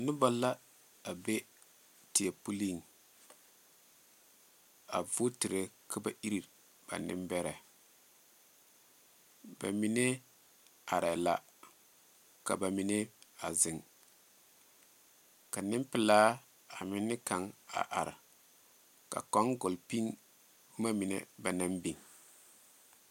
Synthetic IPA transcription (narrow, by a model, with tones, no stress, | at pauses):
nʊ˦ba˦lːa˦ | a˨be˦ | ti˨a˨pu˦li˦˨ŋ | a̰˨vʊ˦ti˨ɾe˦kʰa˦ba˦ʔi˦ɾi˨ | b̥a̰˨nɪ̰˦mbɛ˦ɾɛ˨ | ba̰˨mi˨ne˦ | a˨ɾɛ˨la˨ | ka˨ba˨mi˨ne˦a˨zɪ˨ŋ | ka˨nɪ˦mpɪ˨laː˦ | a˨mɪ˦nːɪ˦ka˨ŋa̰˨ʔa˨ɾ | ka̰˨kɔ˦ŋɡʊ˨lpi˦ŋ˦ | ma˦mɪ˨nḛ˦ba˨na˦mbi˨ŋ